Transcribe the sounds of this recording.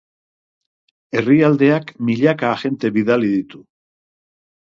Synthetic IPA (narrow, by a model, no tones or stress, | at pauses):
e̞riald̪e̞akmiʎakaʝe̞nt̪e̞βiðaliðit̪u